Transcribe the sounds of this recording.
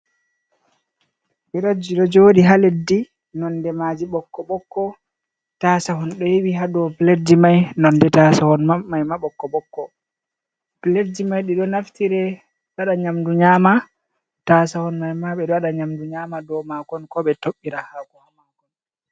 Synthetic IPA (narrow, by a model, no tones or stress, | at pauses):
biɾod͡ʒiɗɔd͡ʒoːɗiɦaledːi | nɔndɛmad͡ʒiɓɔkːɔɓɔkːɔ | taːsaɦɔnɗɔjiwiɦaɗɔpledimajnɔndɛtasahɔnmamajmaɓɔkːɔɓɔkːɔ | pledimajɗiɗɔnaftiɾɛ | ɗaɗaɲamduɲaːma | tasahɔnmajmaɓɛɗaɗaɲamduɲamadɔmakɔnkɔɓɛtoɓːiɾahakɔhamakɔ